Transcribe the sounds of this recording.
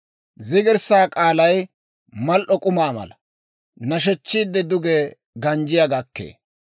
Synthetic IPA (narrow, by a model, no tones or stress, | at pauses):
zɪɡɪɾsaːkʼaːlɐj | mɐlʔɔkʼʊmaːmɐ̰lɐ | nɐʃ̬ɛt͡ʃːiːd̪ːɛd̪ʊɡeː | ɡɐnd͡ʒɪjɐɡɐkːḛː